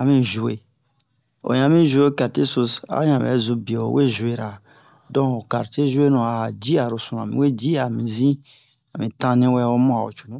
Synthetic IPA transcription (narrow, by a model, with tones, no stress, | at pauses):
a˨mĩ˦ʒu˨e˨ | o̰˨jã˨mĩ˦ʒu˨˦e˦ka˨te˦su˨sa̰˦ã˨bɛ̰˨˦zu˨bi˨o˨˦we˦ʒu˨e˨ɾa˨ | dɔ̃˦o˨ka˨ɾte˦ʒu˦e˦nũ˨a˨a˨d͡ʒi˦a˨ɾu˨sũ˨nã˨mḭ̃˨we˦d͡ʒi˦a˨mĩ˨zĩ˦ | a˨mĩ˨tã˦nĩ˦wɛ˦wo˦mɔ̃˦a˨o̰˨t͡ʃu̥˨nũ˦